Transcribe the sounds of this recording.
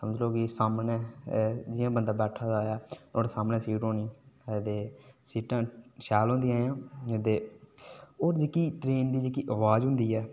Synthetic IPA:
səməd͡ʒloːkɪsaːmnɛːd͡ʒɪjãːbənd̪aːbɛːʈʰaːd͡ʒaːjaːoːɾsaːmnɛːsiːɾoːnĩːd̪eːsiːʈãːʃɛːlɦõnd̪ijãːãːt̪eː | oːɾd͡ʒekiːʈɾeːnd̪iːd͡ʒekiːʔəʋaːzɦʊnd̪iːɛː

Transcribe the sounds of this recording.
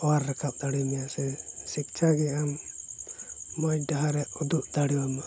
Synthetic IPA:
ɔwaɾːɛkʰap̚d̪aɽimɛjasɛsik̚t͡ʃʰaɡɛam | ɔjɖaɦaɾɛʔud̪uʔd̪aɽiwama

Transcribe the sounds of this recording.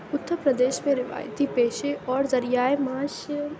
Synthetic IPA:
ʊt̪ːəɾpɾəd̪eːʃmẽɾɪʋa̰ːjt̪ipeːʃeʔɔːɾzɐɾijaːemaːʃ

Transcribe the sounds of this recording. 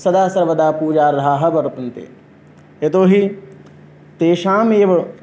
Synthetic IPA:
sɐd̪aːsɐɾʋɐd̪aːpuːd͡ʒaːɾd̪ʱaːɦɐ̆bɐɾupɐnt̪ḛː | et̪oːɦi | t̪eːʃaːmeːʋɐɭ

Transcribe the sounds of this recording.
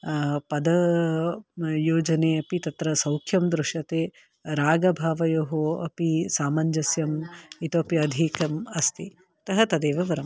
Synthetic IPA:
pɐd̪ɐ | joːd͡ʒɐneːɐpit̪ɐt̪ɾɐsɐwkʰjɐmd̪ɾuʂɐt̪eː | ɾaːɡɐbʱaːʋɐjoːɦoɐ̰pisaːmɐɲd͡ʒɐsjɐmit̪oɐpiɐd̪ʱikɐmɐst̪i | t̪ɐɦɐt̪ɐd̪eːʋɐʋɐɾɐm

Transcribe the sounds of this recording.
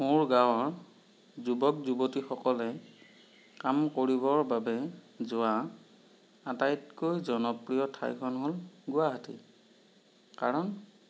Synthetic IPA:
moɹɡãwɔɹ | zubɔk̚zubotixɔkɔlɛ | kamkoɹibɔɹbabɛ | zʊa | atajtkojzɔnɔpɹijɔtʰa̰jkʰɔnɦolɡʊaɦatḭ | kaɹɔn

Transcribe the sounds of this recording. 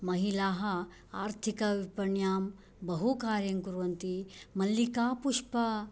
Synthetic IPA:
mɐɦilaːɦɐ | aːɾt̪ʰikɐʋipɐɳjaːm | bɐɦukaːɾjɐŋkuɾʋɐnt̪imɐlːikaːpuʂpɐ

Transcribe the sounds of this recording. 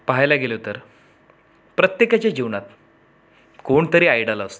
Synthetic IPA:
paɦajlaɡelot̪əɾ | pɾət̪jekat͡ɕad͡ʑiʋɳat̪̚ | koɳt̪əɾiːajɽəlast̪o

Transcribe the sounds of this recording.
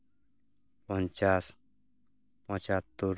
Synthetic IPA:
pɔnt͡ʃas | pɔ̃t͡ʃat̪ːuɾ

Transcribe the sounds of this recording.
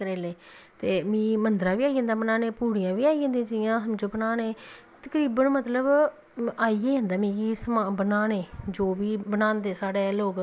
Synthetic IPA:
əɾeːleː | t̪eːmĩːmənd̪ɾaːʋiːaːiːɦə̃nd̪aːbənaːneːpuːɽijãːʋiːaːiːɦə̃nd̪ĩãːd͡ʒɪjãːəmd͡ʒoːbənaːnẽː | t̪əkɾiːbənmət̪ləb | aːieɦə̃nd̪aːmĩːisəmaːbənaːnẽːd͡ʒoːʋiːbənãːnd̪eːsaːɽeːloːk

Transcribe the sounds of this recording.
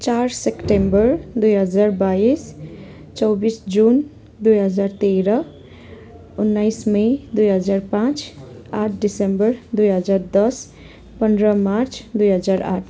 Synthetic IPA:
t͡ʃaːɾsekʈembəɾd̪ujɦəd͡ʒaɾbais | t͡ʃɔwbisd͡ʒun | d̪ujɦəd͡ʒaɾt̪eɾʌ | ʊnːajsmejd̪ujɦəd͡ʒaːɾpãt͡ʃaːʈ̚ʰɖisembəɾd̪ujɦəd͡ʒaːɾd̪ʌs | pənɖɾʌmaɾt͡ʃd̪ujɦəd͡ʒaɾa̰ːʈʰ

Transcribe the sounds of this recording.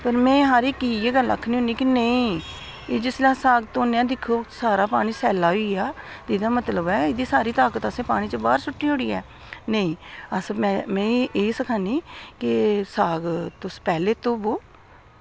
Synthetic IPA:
pəɾmɛ̃ːɦaːɾeːkiːeɡəla̰kʰːniːɦʊ̃niːkɪnəĩː | eːd͡ʒɪslaːsaːɡt̪õːnːãːd̪ɪkʰoːsaːɾaːpaːɽ̃iːsɛːlaːiːaːt̪eɪd̪aːmət̪ləbɛːɪd̪iːsaːɾiːt̪aːkət̪əsẽːpaːɽ̃iːt͡ʃəba̰ːɾsʊʈːiːɦoːɽiːɛː | nəĩːəsmɛ̃ːmɛ̃ːeːsəkʰãːniːkɪsaːɡt̪ʊspɛːleːt̪õːboː

